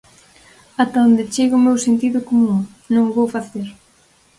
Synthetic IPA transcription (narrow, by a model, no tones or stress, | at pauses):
at̪aond̪et͡ʃeɣʊmewsent̪iðʊkomũŋ | nõŋʊβowfaθeɾ